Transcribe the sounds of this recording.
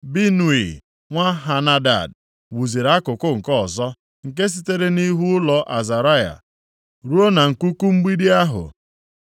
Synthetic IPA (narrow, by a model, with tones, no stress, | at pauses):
bi˦nu˨i˨ | ŋʷa˦ɦa˨na˦da̰˨d | wu˨zi˨ɾa˦kʊ˨kʊ˦ŋ̩˨kɔ˦˨zɔ˦ | ŋ̩˨k̬e˦s̬i˦te˦ɾe˦ni˦ɦu˦ʊ˦lɔ˨ʔa˨za˨ɾa˦ja̰˨ | ɾu˦o˦na˨ŋ̩˨ku˦ku˦ŋ͡m̩˦ɡ͡bi˦di˦a˦ɦʊ̰˨